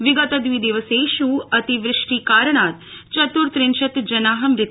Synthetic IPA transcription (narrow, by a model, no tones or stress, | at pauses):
ʋiɡɐt̪ɐd̪ʋiːd̪eːʋɐseːʃuːɐt̪iʋɾɪʂʈikaːɾɳ̃aːt̪t͡ʃɐt̪uɾt̪ɾɪnʃɐt̪d͡ʒɐnaːɦɐmɾɪt̪